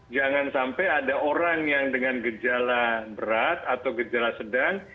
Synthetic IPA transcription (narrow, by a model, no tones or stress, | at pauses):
d͡ʒaŋansampajadaʔoɾaŋjaŋdəŋanɡəd͡ʒalabəɾat̪̚at̪awɡəd͡ʒalasədaŋ